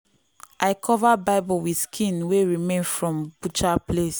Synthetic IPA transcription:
ʔaɪkʰɔvabaɪbulwiskʰĩnweɹimẽnfɹɔ̃mbut͡ʃaples

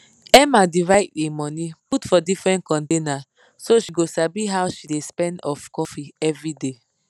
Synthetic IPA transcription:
ɛmadivaɪtemɔ̃niputfɔdifɹɛ̃nt̚kɔ̃ntena | soʃiɡosabiɦawʃidespɛ̃ndɔfkɔfiɛvɹide

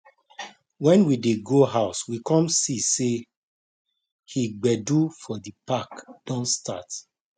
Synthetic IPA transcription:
wɛ̃nwideɡoɦaʊswikɔ̃msise | hiɡ͡bɛdufɔdipakd̥ɔ̃nstat

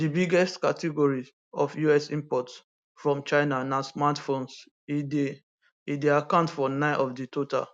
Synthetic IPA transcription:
dibiɡɛstkatiɡɔɹi | ɔfjuɛsĩmpɔts | fɹɔ̃mt͡ʃaɪnanasmatfõns | ide | ideakãʊ̃ntfɔnãɪnʔɔfditota̰l

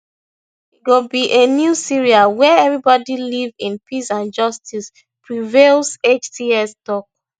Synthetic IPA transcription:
iɡobiʔenjusiɹialwɛɛvɹibɔdilivĩnpisãnd͡ʒʌstis | pʰɹivelˠset͡ʃtiɛstɔk̚

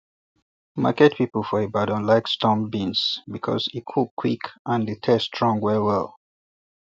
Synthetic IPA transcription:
ma̰kɛt̚pipəl̩ˠfɔebadə̃nlaɪkstɔ̃mbĩnsbikʰɔ̰zit̚kʰukʰwikʔãnðətʰɛstʰɹɔ̃ŋɡwɛwɛ̰lˠ

